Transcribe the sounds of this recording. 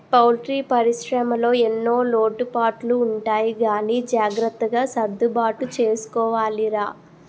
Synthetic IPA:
pɐwlʈɾiːpɐɾiʃɾɐmɐlo̞ːenːo̞ːlo̞ːʈupaːʈluːɳʈaːjiɡaːniːd͡ʒaːɡɾɐt̪ːɐɡaːsɐd̪ːubaːʈut͡ʃe̞ːsu̥kɔːʋaːliɾaː

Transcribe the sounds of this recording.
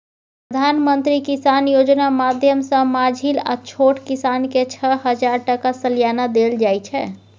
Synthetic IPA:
pɾɾəd̪ʱanmənt̪ɾikisanjod͡ʒnamad̪ʱjəmsə̃mad͡ʒʱila̰t͡ʃʰoʈkisanket͡ʃʰəɦəd͡ʒaɾʈəkasəljanad̪eld͡ʒajt͡ʃʰɛ

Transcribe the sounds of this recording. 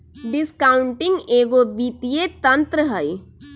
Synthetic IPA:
ɖɪskaːʊ̃ɳʈɪ̃ŋɡeːɡobiːp̪ijet̪ɐ̃nt̪ɾəɦəi

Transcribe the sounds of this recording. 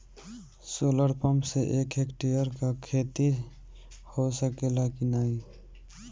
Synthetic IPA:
soːləɽpəmseʔeːkʰeːkʈejəɾkakʰeːt̪i | hosəkelaːkinaːi

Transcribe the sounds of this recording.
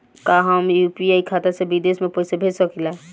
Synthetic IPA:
kaɦəmjuːpiaikʰaːt̪asebid̪eːsmẽpoɪsebʱeːd͡ʒsəkila

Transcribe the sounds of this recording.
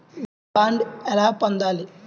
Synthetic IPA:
ʋ | aːɳɖɛlaːpond̪aːli

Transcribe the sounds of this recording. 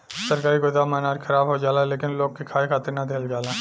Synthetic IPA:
səɾkaːɾikod̪aːmaːnaːɾxʰɐɾaːbɦod͡ʒaːlaleːkɪnloːɡ̚kekʰaːekʰaːt̪ɪɾnɐd̪ʱeːld͡ʒaːlaː

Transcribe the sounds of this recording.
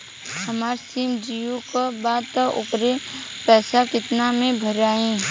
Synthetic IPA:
hɐmaːɾsiːmd͡ʒijukabaːd̪t̪aʔʊ̰pɾepɛːsakɪt̪namẽbʱəɾaːẽː

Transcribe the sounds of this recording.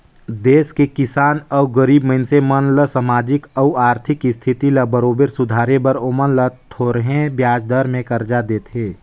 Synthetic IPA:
d̪eːskekɪsaːnəuɡəɾiːbməɪnsemənləsəmaːd͡ʒɪkəuaːɾt̪ʰɪkɪst̪ʰɪt̪iləbəɾoːbeɾsʊd̪ʱaːɾebəɾomənlət̪ʰoːɾɦẽbjaːd͡ʒd̪əɾmẽkəɾd͡ʒad̪eːt̪ʰɦeː

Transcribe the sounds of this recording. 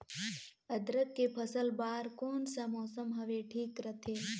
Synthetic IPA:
ɐd̪ɾəkːepʰɐsəlbaːɾkoːnsɐmɔːsəmɦɐʋeʈʰiːkɾɐt̪ʰeː

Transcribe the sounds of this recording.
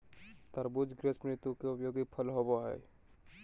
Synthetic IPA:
t̪əɾbud͡ʒɡɾespɾnit̪ukeʊpjoːɡipʰəlɦobaɦɛ̰ː

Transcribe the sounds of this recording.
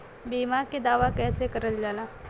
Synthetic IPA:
biːmaːɾked̪aːʋakɛːsekɐɾəld͡ʒaːlaː

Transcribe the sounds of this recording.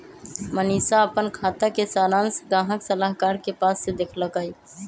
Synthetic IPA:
məniːsaəpənkʰaːt̪akesaːɾãːnsɡãːɦəksəlaɦkaːɾkepaːsːed̪eːkʰləkai

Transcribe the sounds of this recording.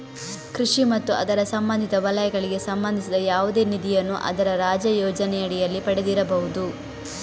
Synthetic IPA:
kɾuʂimɐt̪ːuʔɐd̪ɐɾɐsɐmbɐnd̪ʱit̪ɐʋɐlɐjɐɡɐɭiɡe̞sɐmbɐnd̪ʱisid̪ɐjaːʋud̪e̞ːnid̪ijɐnːuʔɐ̰d̪ɐɾɐɾaːd͡ʒɐjɔːd͡ʒɐnɛjɐɽijɐlːipɐɽed̪iɾɐbɐɦud̪u

